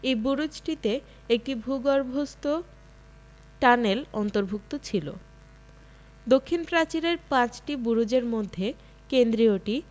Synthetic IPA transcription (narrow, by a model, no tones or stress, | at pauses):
ejbuɾud͡ʑʈit̪e | ek̚ʈibʱuɡɔɾbʱost̪o | ʈanelɔnt̪oɾbʱuk̚t̪ot͡ɕʰilo̰ | d̪okʰːinpɾat͡ɕiɾeɾpãt͡ɕʈibuɾud͡ʑeɾmod̪ʱːe | kend̪ɾioʈi